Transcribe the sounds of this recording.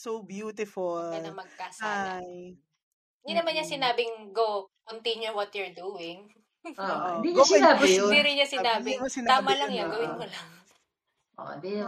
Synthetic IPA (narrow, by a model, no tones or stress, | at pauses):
sobjuːt̪ɪfolɐmɐɡ̚kasɐaj | ɪnd̪inɐmɐnɲɐsɪnaːbɪŋɡokɐnt̪iɲɛwɔt̪juɹd̪uːɪŋ | oʔod̪ioɐab̪iɾɪɲːɐsɪaːbɪmɐsɪnt̪aːmɐlɐŋjaɡɐwɪnkolɐŋ | ʔo̰d̪i